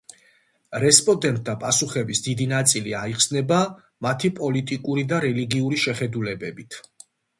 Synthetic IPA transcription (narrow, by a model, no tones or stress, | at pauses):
ɾɛspʼɔnd̪ɛnt̪̚ʼd̪apʼasuχɛbisd̪id̪inat̪sʼiliaiqsnɛba | mat̪ʰipʼɔlit̪ʼikʼuɾid̪aɾɛliɡiuɾiʃɛχɛd̪ulɛbɛbit̪ʰ